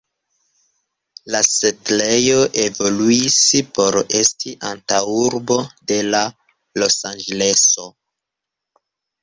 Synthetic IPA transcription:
lasetle̞jo̞ʔe̞vo̞luispo̞ɾe̞stiʔantawuɾbo̞de̞la | lo̞sand͡ʒele̞so̞

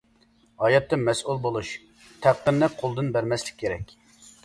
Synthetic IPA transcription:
ɑːjɑt̪ːɨmɛsulˠbolˠuʃ | t̪ʰæqːənːɨqʰolˠd̪ɨnbæɾmɛslɪ̥k̚ʲʰːeɾɛkʲ

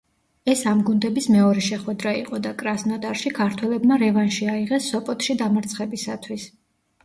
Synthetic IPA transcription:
ɛsamɡund̪ɛbismɛɔɾɛʃɛχwɛd̪ɾaiqʼɔd̪akʼɾasnɔd̪ʼaɾʃikʰaɾt̪ʰwɛlɛbmaɾɛvanʃiaiʁɛsːɔpʼɔt̪ʰʼʃid̪amaɾt̪sʰχɛbisat̪ʰwis

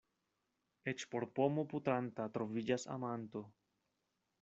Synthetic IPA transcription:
e̞t͡ʃpo̞ɾpo̞mo̞putantatɾo̞vid͡ʒasa̰manto̞

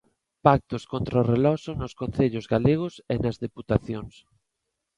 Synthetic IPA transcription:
pak̚t̪ʊskont̪ɾarelɔsonoskonθeʎʊzɣaleɣʊsenɐzðeput̪aθjoŋs

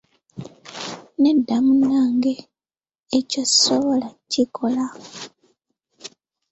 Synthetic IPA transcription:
nedːamunːaːŋɡeː | co̥soβo̞lacikʰo̞la

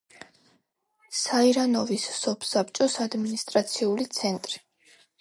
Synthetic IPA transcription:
saiɾanɔvisːɔpʰsapt͡ʃʼɔsad̪minist̪ʼɾat̪sʰiulit̪sʰɛnt̪ʼɾi

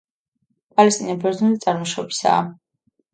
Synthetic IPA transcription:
pʼalɛst̪ʼinɔbɛɾzunit̪sʼaɾmɔʃɔbi̥sa̰ː

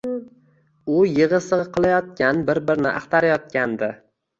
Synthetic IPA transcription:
ʊjɪʁɨsɨʁɨqʰɨlˠajɒt̪̚kʲanbɪɾbɪɾnɪ̰ʔa̰χt̪aɾajɒt̪̚kʲand̪ɪ

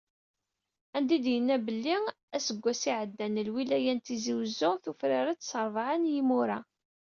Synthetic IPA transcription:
ænd̪id̪jənːæbəlːi | æsəɡʷːæsiʕəd̪ːænəlwilæjænt̪iziwəzːʊθufɾaɾat͡sːsəɾˤvʕanjimuɾæ

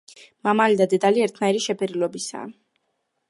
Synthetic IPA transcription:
mamalid̪ad̪ɛd̪aliɛɾt̪ʰnaiɾiʃɛpʰɛɾilɔbisa̰ː

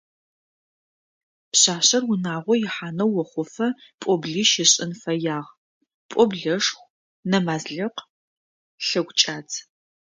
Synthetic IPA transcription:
pɕaːɕɐrwʊnaːʁʷɔjɪħaːnɐwwːɔχʷʊfɐpʷʼɔbɮiːʃɪɕʼɪnfɐjaːʁ | pʼɔbɮɐʂxʷ | nɐmaːzɮɪq | ɬɐɡʷʼt͡ʃʼaːt͡sʰ

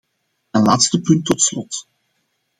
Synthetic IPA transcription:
ənlaːtstəpɵntːɔtslɔt

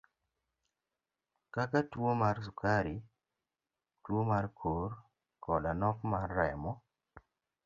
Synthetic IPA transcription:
kakatwomarsukaɾi | twomarkʰor | kʰɔdanɔkmarːɛmɔ

